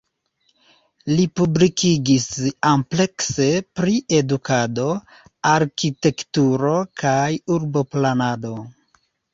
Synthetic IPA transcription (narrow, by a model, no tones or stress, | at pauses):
lipublikiɡisample̞kse̞pɾiʔe̞dukʰado̞ | aɾkite̞ktuɾo̞kʰajuɾbo̞planado̞